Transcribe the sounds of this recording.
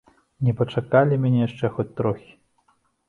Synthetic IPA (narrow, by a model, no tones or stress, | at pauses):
nʲɛpɐt͡ʂakalʲimʲanʲɛjaʂt͡ʂɛxɔt͡sʲt̪ɾɔxʲi̥